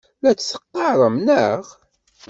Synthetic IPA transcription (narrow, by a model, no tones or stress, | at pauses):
læt͡sːθə̥qːɑɾˤəmnəʁ